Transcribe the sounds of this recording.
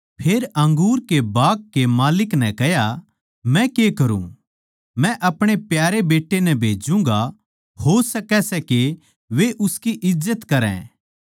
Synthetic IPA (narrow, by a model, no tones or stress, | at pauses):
pʰeːɾɐ̃ŋɡuːɾkebaːkːemaːlɪknɛ̃kɛja | mɛ̃kekɐɾṵ̃ | mɛ̃ʔɐpɽ̃epjaːɾebeːʈːenɛ̃bʱeːd͡ʒũŋɡa | hosɐkɛsɛke | ʋeʔʊskiʔɪzːət̪kɐɾɛ̰̃ː